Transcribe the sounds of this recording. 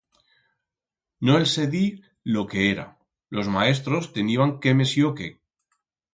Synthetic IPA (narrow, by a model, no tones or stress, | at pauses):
noelseði | lokeeɾa̰ | lo̞zmaes̬t̪ɾost̪eniβaŋkemesjoke